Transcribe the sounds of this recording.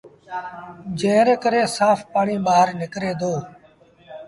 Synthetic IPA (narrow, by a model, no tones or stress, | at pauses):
d͡ʒẽːɾeːkəɾeːsaːfpaːɳiːɓaːɦəɾnɪkɾeːd̪oː